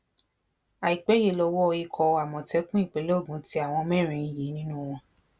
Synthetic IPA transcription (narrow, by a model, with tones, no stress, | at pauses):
a˨i˨k͡pɛ˨˦je˧˨lɔ˧wɔ˦˧i˧kʰɔ˧a˨mɔ̃˨tɛ˦kũ˦i˦˨k͡pe˨˦lo˦˨ɡũ˨˦ti˦a˦˨w̃ɔ̃˧mɛ̃˦˨ɾ̃ĩ˧ĩ˨ji˨˦nĩ˦nũ˦w̃ɔ̃˧